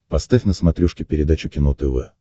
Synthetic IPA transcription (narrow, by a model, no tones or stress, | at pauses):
pɐst̪afʲnəsmɐt̪ɾʲuʂkʲɪpʲɪɾʲɪd̪at͡ɕʊkʲɪnot̪əvɛ